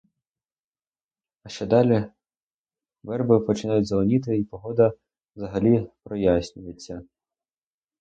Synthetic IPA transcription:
ɐʃt͡ʃɛd̪ɑlʲi | ʋɛrbɪpɔt͡ʃɪnɑjʊtʲzɐlˠɔnʲit̪ɪipɔɦɔd̪ɐ | wzɐɦɐlʲipɾɔjasʲnʲʊjet͡sʲːɐ

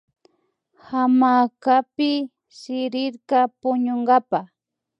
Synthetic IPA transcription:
hamakapɪ | sɪɾɪɾkapʊɲoŋɡapa

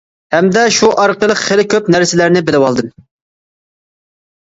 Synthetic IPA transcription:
hɛmd̪ɛʃuʔɑɾqəlˠəqχelɪkʲʰøpnæɾsɪlæɾnɪbɪlɪwɑlˠd̪ɨm

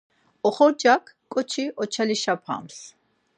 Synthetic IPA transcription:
ɔχɔɾd͡ʒakʰ | kʼɔt͡ʃʰiʔɔt͡ʃʰaliʃapʰa̰ms

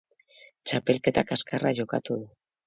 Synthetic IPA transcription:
t͡ʃape̞lke̞t̪akaskaraʝo̞kat̪uðu

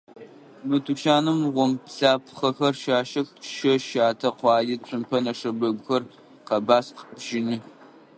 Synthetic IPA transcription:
mɨtʰuʃaːnɨmʁʷɔmpɬaːpʰχɐxɐrʃaːʃɐxʃɐʃaːtʰɐqʷɑːjit͡ɕʷʰʼɨmpʰɐnɐʂɐbɐɡʷʊxɐr | qɐbaːsqəpʒ̥ɪnɨ

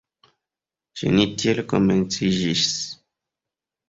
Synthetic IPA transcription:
ʒḛnitjelkoment͡siʒis

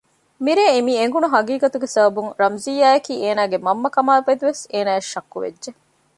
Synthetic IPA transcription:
miɾeːemiːeŋɡunuɦɐɡiːɡɐt̪uɡesɐbɐbuŋɾɐmzijːaːjɐkiːeːnaːɡemɐmːɐkɐmaːlfed̪uʋeseːnaːeʃɐkːuʋḛʒe

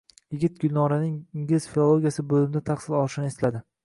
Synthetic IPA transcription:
jɪɡʲɪt̪̚ɡʲʊlʲnɒɾanɪŋɪŋɡʲɪlzfilˠolˠoɡʲijasɪbɵlɪmɪd̪at̪ʰaχsɪlɒlˠɪʃɪnɪeslad̪ɪ

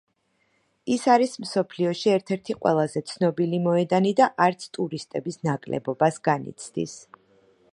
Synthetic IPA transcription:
isaɾismsɔpʰliɔʃiɛɾt̪ʰɛɾt̪ʰiqʼwɛ̰lˠazɛt̪sʰnɔbilimɔɛd̪anid̪aʔaɾt̪sʰt̪ʼuɾist̪ʼɛbisnakʼlɛ̰bɔbasɡanḭt̪sʰd̪ḭs

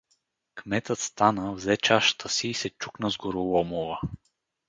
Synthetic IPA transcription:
kmɛt̪ət̪st̪anəvzɛt͡ʃaʃt̪ʰəsiːsɛt͡ʃuknəzɡʊɾʊlˠɔmʊvə

